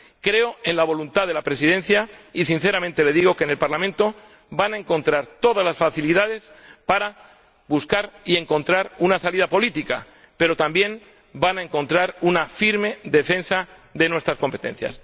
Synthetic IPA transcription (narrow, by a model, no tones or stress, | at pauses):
kɾe̞o̞e̞nlaβ̞o̞lunt̪aðe̞lapɾe̞sið̞e̞nθjais̬in̟θe̞ɾamẽnt̪e̞le̞ðiɣ̞o̞ke̞ne̞lpaɾlamẽnt̪o̞ | banae̞ŋko̞nt̪ɾaɾt̪o̞ðazlasfaθiliðað̞e̞spaɾa | buskaɾie̞ŋkõ̞nt̪ɾaɾunasaliðapo̞lit̪ika̰ | pe̞ɾo̞t̪ambje̞m | banaeŋko̞nt̪ɾaɾunafiɾme̞ðe̞fe̞nsa | ðe̞nwe̞st̪ɾasko̞mpet̪ẽ̞̰n̟θja̰s